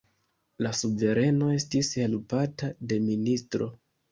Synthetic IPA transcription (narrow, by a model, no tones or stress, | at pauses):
lasuve̞ɾe̞no̞e̞stishe̞lpatade̞ministɾo̞̰